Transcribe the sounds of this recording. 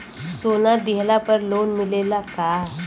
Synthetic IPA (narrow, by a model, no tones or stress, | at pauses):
soːnad̪ɪɦlapəɾloːnmɪleːlakaː